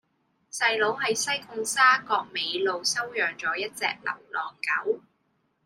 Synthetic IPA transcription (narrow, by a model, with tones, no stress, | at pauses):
sɐ˧jlo˨˥wɦɐ˨jsɐ˥jkʊ˧ŋsaː˥kɔː˧k̚me˨˧jlo˨˧wsɐ˥wjœː˨ŋt͡sɔː˨˥jɐ˥t̚t͡sɛ̰ː˧k̚lɐ̰˨˩wlɔː˨ŋkɐ̰˨˥w